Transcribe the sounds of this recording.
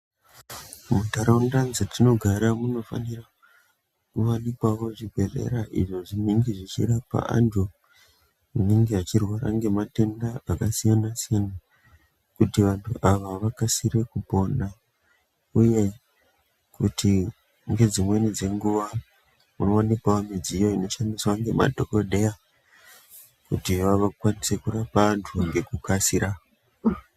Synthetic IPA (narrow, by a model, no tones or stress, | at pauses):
mutaɾaundanzetino̞ɡʱaɾamuno̞fa̰nira | kuʋanikwaʋo̞ʐibʱe̞rḛɾaʔḭʐo̞ʐiniŋɡeʐit͡ʃḭɾapa̰a̰ntu | uniŋɡeat͡ʃirwaɾa̰ŋɡe̞mate̞ndaakasijanasijana | kutiʋantʰuʔaʋaʋakasiɾe̞kupo̞na | uje̞ | kuti | ŋɡe̞d͡zimwe̞nid͡ze̞ŋɡuʋa | uno̞ːnikwaamid͡zijo̞ino̞ʃaniswaŋɡe̞ma̰dʱo̞ko̞dʱe̞ja | kutiʋaʋakwanise̞kurapaːntʰuŋɡe̞kukasiɾa